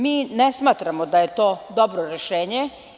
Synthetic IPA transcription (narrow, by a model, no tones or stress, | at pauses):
miːnesmaːt̪ɾamod̪ajet̪oːd̪obɾoɾeʃeːɲe